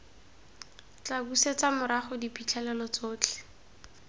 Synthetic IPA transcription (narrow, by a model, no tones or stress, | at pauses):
t͡ɬabuset͡samʊɾaχʊdipit͡ɬʰɛlɛlɔt͡soːt͡ɬʰɛ̥